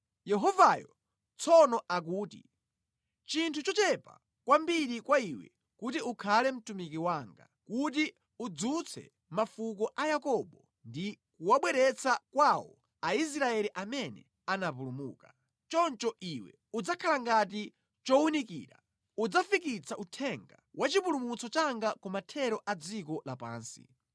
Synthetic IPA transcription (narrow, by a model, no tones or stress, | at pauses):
jɛɦɔvajɔ̰ | t͡sʰɔnɔʔak̬uːtḭ | t͡ʃintʰut͡ʃɔt͡ʃɛpa̰ | kwambiɾikwaiwɛ̰ | kutiukʰalɛm̩tumikiwaŋɡa̰kut̬i | ud͡zut͡sʰɛ̰ | mafukɔʔajakɔɓɔ | ndikuwaɓwɛɾɛt͡sʰakwawɔ̰ | ais̬ɾaɛliʔamɛnɛ̰ | anap̬ulumṵːka | t͡ʃɔnt͡ʃɔʔiwɛ̰ | ud͡zakʰalaŋɡat̬i | t͡ʃɔunikḭːɾa̰ | ud͡zafikit͡sʰaʔutʰɛŋɡawʔat͡ʃipulumut͡sɔt͡ʃaŋɡakɔmatʰɛɾɔʔad͡zikɔlapa̰ːnsḭ